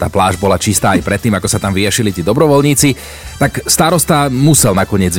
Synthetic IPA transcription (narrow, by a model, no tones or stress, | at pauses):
t̪aːplaːʒbɔlat͡ʃist̪aːajpɾɛt̪ːiːmakɔsat̪amʋijaʃilit̪iːd̪ɔbɾɔʋɔlɲiːt͡si | t̪akst̪aɾɔst̪amusɛlnakɔɲɪɛd͡z